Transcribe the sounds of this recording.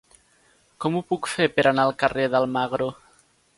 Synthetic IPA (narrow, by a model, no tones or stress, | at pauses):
kɔmupukfeɾpeɾanaəlˠkəreðəlˠmaɣɾo